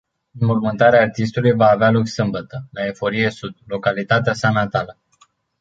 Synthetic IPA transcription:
nmurmɨnt̪aɾeaːrt̪ist̪ulujvaːvealoksɨmbət̪əlae̞fo̞ɾije̞sud̪̚lo̞kalit̪at̪easanat̪alə

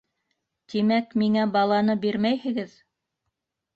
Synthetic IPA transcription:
t̪imækmiŋæbɑlˠɑnɤbiɾmæjhɘ̆ɡɘð

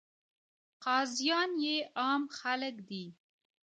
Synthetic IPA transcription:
qɑzjɑnjeɑmxaləkd̪i

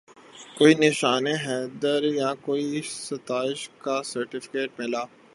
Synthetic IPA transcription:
koːinɪʃaːneɦɛːd̪əɾjakoːisɐt̪aːɪʃkasɐɾʈɪfɪ̥keːʈ̚mɪlaː

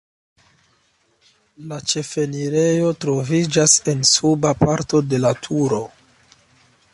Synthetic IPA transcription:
lat͡ʃe̞fe̞niɾe̞jo̞tɾo̞vid͡ʒase̞nsubapaɾto̞de̞latʰuɾo̞

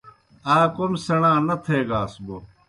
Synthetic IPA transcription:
aːkomsɐɽãːnɐt̪ʰeːɡaːsbo

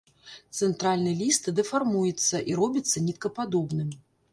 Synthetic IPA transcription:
t̪sɛnt̪ɾalʲnɨjɛlʲist̪ɨd̪ɛfarmujɛt̪sːɐʔiɾɔbʲit̪sːɐnʲit̪kɐpad̪ɔbnɨm

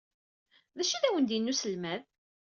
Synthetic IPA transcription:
ðæʃiðæwənd̪jinːusəlmæð

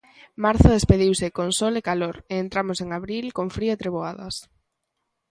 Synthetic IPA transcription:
maɾθʊðespeðiwsɪkonsɔlekaloɾeent̪ɾamoseŋaβɾilkoŋfɾioet̪ɾeβoaðɐ̰s

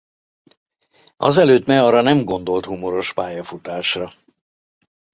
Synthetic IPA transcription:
ɒ̰zɛløːt̪mɛɒrɒnɛmɡo̞n̪d̪o̞lt̪humo̞ɾo̞ʃpaːjɒfut̪aːʃrɒ

